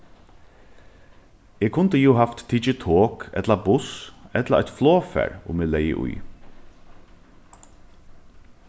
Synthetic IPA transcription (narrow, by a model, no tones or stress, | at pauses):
eːkʰʊnt̪əjuːɦaft̪tʰːit͡ʃɪt̪ʰoːkɛ̰t̪labʊsɛt̪laʔɛt̪floːfæ̰ːɹʊ̰meːlɛjə̰ʔʊ̰j